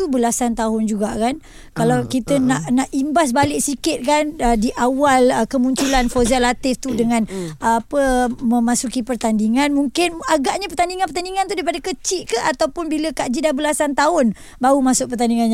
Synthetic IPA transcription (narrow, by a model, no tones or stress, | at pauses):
t̪ubəlasant̪aɦʊnd͡ʒuɡaʔkan | kalawkit̪ənaʔnaʔimbas̬balɪʔsikɪt̪̚kanədiʔawaləkəmuɲt͡ʃulanfozialat̪ɪft̪udəŋãnapəmə̃masukipərt̪andiŋanmuŋkɪnaɡaʔɲapərt̪andiŋãnpərt̪andiŋant̪udaipadakət͡ʃɪʔ̪kaat̪awpʊnbiləkaʔd͡ʒidabəlasant̪aʊn | baɾumasʊk̚pərt̪andiŋanɲ